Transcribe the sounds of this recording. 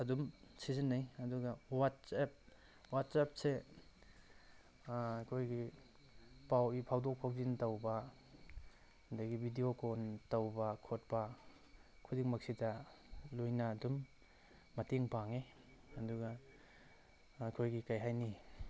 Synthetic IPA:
ɐdumsizinːajɐduɡɐwat̚sap̚ | wat̚sap̚se | akʰojɡi | pawipʰawdok̚pʰawzintɐwbɐ | hndaɡibʱidiokontawbɐkʰot̚pɐ | kʰudiŋmɐk̚sitɐlojnɐːdumː | ɐteŋpaŋe | ɐduɡa | kʰojɡikajɦajni

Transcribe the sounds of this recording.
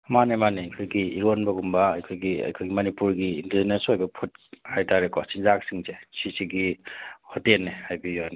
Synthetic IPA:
manemanikʰojɡiiɾonbɐɡumbɐɐ̰jkʰojɡiɐ̰jkʰojɡimɐnipuɾɡiːndiznesojbɐpʰut̚hajtʰaɾekʰɔsinzaksiŋzesisiɡihutelːehajbioni

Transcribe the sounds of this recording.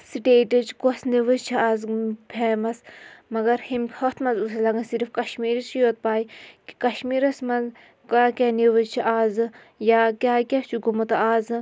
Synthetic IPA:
siʈeːʈɐt͡ʃkosniʋɨzt͡ʃʰiaːzpʰeːmɐsmɐɡɐɾhimhɐt̪ʰmɐnzusɐlɐɡɐnsiɾfkɐʃmiːɾit͡ʃʰijoːt̪̚paːiki̥kɐʃmiːɾɐsmɐnz | kakʲaniʋɨzt͡ʃʰiʔaːzɨ | jaːkʲaːkʲɐt͡ʃʰuɡumɐt̪aːz

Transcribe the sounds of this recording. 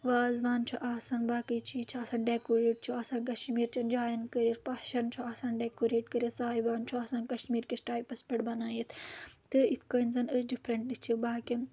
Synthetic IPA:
ʋaːzʋaːnt͡ʃʰuʔaːsaːnbaːkəjt͡ʃʰit͡ʃʰaːsaːnɖekoːɾeːʈ̚t͡ʃʰuaːsaːnkɐʃmiːɾt͡ʃʰɐnd͡ʒaːjɐnkəɾʲiɾpɐʃɐnt͡ʃʰuaːsaːnɖekoɾeːʈkəɾjɐsaːibaːnt͡ʃʰuaːsaːnkɐʃmiːɾkʲisʈaːjpɐspɐʈbɐnaːjit̪ʰt̪ɨit̪ʰkənzɐnəsɖipʰɾɐɳʈist͡ʃʰibaːkʲin

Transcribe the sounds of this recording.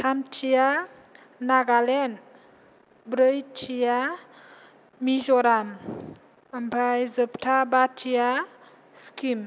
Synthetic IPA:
tʰamt͡ʃʰija | naɡalen | bɾəjt͡ʃʰija | mizɔɾam | əmbʱajzəptʰabatʰija | skim

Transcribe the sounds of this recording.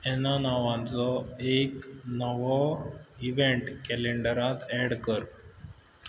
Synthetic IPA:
ɛnanaʋãt͡sɔeknəʋɔiʋeɳʈkɛleɳɖəɾat̪ɛɽkəɾ

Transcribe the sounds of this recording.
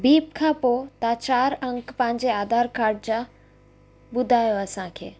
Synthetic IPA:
biːp̚kʰãːpoːt̪at͡ɕaːɾɐ̃ŋkpɐ̃ɦɪ̃ɲd͡ʑeaːd̪ʱaːɾkaːɾɖ̚d͡ʑãː | ɓʊd̪ʱaːjoɐsãkʰḛː

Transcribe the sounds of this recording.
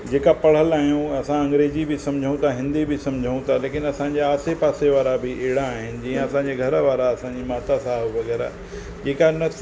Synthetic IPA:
d͡ʑeːkapɐɽ̤əlaːɦijũɐsãɐ̃ŋɡɾeːd͡ʑibɪsɐ̃md͡ʑʱəũt̪ʰaɦɪ̃nd̪ibɪsɐ̃md͡ʑʱəũt̪ʰaleːkɪnɐsãːɲd͡ʑaaːsepaːseʋaːɾabɪʔeɦɽaːɦɪnɪ̆d͡ʑĩːẽɐsãːɲd͡ʑeɡʱɐɾəʋaːɾaɐsãɲd͡ʑimaːt̪asaːɦuʋɐɣɛːɾa̰ | d͡ʑeːkanɐ

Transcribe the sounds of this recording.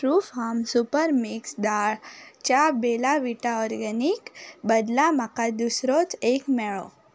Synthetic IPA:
ʈɾufɦamsupəɾmiksd̪aɭt͡ʃabelaʋiʈaɔɾɡanikbəd̪lamakad̪usɾot͡ʃekmɛɭo̰

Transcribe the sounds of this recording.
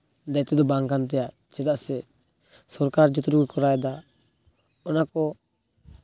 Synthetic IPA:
d̪ajt̪ɛd̪ɔbaŋkant̪̬ɛjaʔ | t͡ʃɛd̪aʔsɛ | sɔɾkaɾd͡ʒɔt̪ɔɾuɡukɔɾajd̪a | ɔnakɔ

